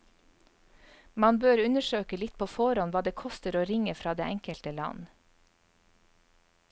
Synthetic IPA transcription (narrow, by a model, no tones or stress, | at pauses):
mɑnbøːɾʉnəʃøːkəlɪt̪̚pʰoːfɔɾɑnʋɑːd̪eːkʰɔst̪əɾoːɾɪŋəfɾɑːd̪ḛːʔɛŋkəlt̪əlɑ̰n